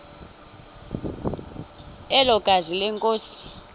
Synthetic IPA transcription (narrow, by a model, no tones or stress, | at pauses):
ɛlɔɡ̥ʱazilɛŋkʼoːsi̥